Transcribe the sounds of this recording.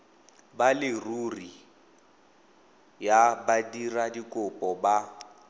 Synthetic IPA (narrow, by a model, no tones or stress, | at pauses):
balɪruri | jabadiradikʼʊpʼɔba